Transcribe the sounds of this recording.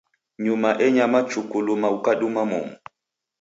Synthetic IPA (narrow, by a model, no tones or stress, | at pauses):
ɲumaʔɛɲamat͡ʃukulumaukaɗumamṵmu